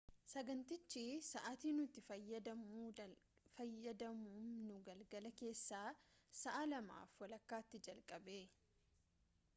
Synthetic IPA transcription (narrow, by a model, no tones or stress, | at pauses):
sɐɡɐnt̪ɪt͡ʃːisɐʔat̪iːnʊt̪ːɪfɐjːɐd̪ɐmuːfɐjːɐd̪ɐmuːnnʊɡɐlɡɐlɐke̞ːsːaːsɐʔɐlɐma̰ːfwɐlɐkːaːt̪ːɪd͡ʒɐlkʼɐbe̞ː